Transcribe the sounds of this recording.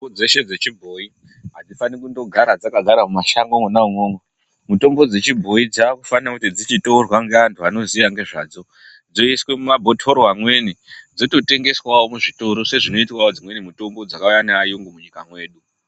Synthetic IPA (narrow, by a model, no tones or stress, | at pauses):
od͡ze̞ʃe̞d͡ze̞t͡ʃibʱoi | ɦad͡zifanikundo̞ɡʱaɾad͡zakaɡʱaɾamumaʃaŋɡoŋwenauŋoŋwe | muto̞mbo̞d͡ze̞t͡ʃibʱo̞id͡zaːkufanakutid͡zit͡ʃitourwaŋɡeantʰuano̞ziʋaŋɡe̞ʐa̰ːd͡zo̞ | d͡zo̞iswe̞mumabʱo̞tʰoɾoɦamwe̞nid͡zoto̞te̞ŋɡe̞swawomuʐitoɾo̞se̞ʐino̞itkwawod͡zimwe̞nimuto̞mbo̞d͡zakaujaneaːjoŋɡomuɲikamwe̞ːɗu